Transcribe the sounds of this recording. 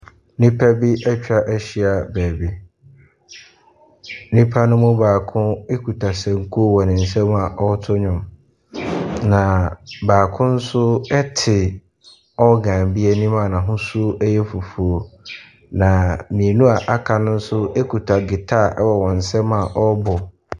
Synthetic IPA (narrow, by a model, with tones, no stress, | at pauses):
nĩ˦pʰæ˦bi˦ʔɛ˦t͡ɕᶣa˦ʔɛ˦ɕi˦a˨bæː˨bi˦ | nĩ˦pʰa˦nʊ̃˦mʊ̃˦baː˨kʰʊ̃˦e˦kʰu˨tʰa˨sɛ̃˨ŋ˦kʰu˦wɔ˨nɪ̃˨n̩˨sɛ̃˦ma˨ʔɔ˦tʰʊ˦ɲᶣʊ̃˨m | nã˨baː˨kʰʊ̃˦n̩˦sʊ˦ɛ˦tʰɪ˨ | ɔ˦ɡã˨bi˦ɛ˦nĩ˦mã˨nã˨ɦʊ̃˦su˦ɛ˦jɛ˦fu˨fu˨o˨ | nã˨mĩ˨nũ˦a˨ʔa˨kʰa˨nʊ̃˦n̩˦sʊ˦e˦kʰu˨tʰa˨ɡɪ˨tʰa˦˨ʔɛ̰˦wɔ˨wɔ̃˨n̩˨sɛ˦mã˨ʔɔ˦bʊ˨